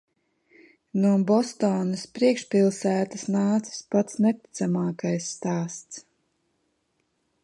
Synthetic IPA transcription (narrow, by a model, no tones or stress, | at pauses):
nuɔbɔst̪ɔːnɐspɾiɛkʃpʲilˠsæːt̪asnaːt̪si̥spat̪snɛt̪i̥t̪samaːkajsːt̪aːst̪s